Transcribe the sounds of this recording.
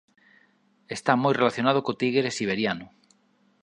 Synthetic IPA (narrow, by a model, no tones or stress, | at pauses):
est̪amojrelaθjonað̞okot̪iɣeɾesiβ̞eɾjanʊ